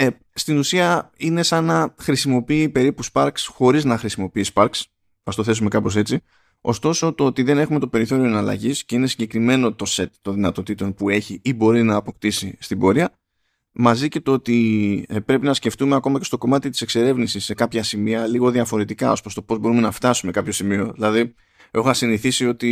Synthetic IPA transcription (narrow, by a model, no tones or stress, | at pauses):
e | st̪inusiɐine̞sɐnɐxɾisimo̞piːpe̞ɾipuspɐɾksxo̞ɾiznɐxɾisimo̞piiːspɐɾks | ɐst̪o̞θe̞sume̞kɐpo̞se̞t͡si | o̞̰st̪o̞so̞t̪o̞ot̪iðe̞ne̞xume̞t̪o̞pe̞ɾiθo̞ɾio̞enɐlɐ̰ʝisce̞ine̞siɲɟe̞kɾime̞no̞t̪o̞se̞t̪ːo̞nðinɐt̪o̞t̪it̪o̞npue̞çiibo̞ɾinɐːpo̞kt̪isist̪ibo̞ɾiɐ | mɐzice̞t̪oot̪ipɾe̞pinɐsce̞ft̪umeɐko̞mɐce̞st̪o̞ko̞mɐt̪it̪i̥se̞kse̞ɾe̞vnisisːe̞kɐpçɐsimiɐliɣo̞ðiɐfo̞ɾe̞t̪ikɐo̞spɾost̪o̞po̞zbo̞ɾume̞nɐft̪ɐsume̞kɐpço̞simio̞ðilɐði | e̞xoɐsiniθisio̞t̪i